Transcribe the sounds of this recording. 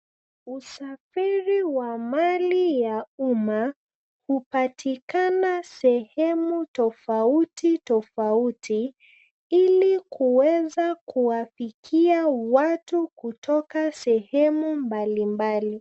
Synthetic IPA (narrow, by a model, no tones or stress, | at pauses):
usafiɾiwamalijauma | hupatʰikanasɛhɛmutɔfautitɔfautʰi | ilikʰuwɛzakʰuwafikʰiawatukutʰɔkasɛhɛmumbalimbali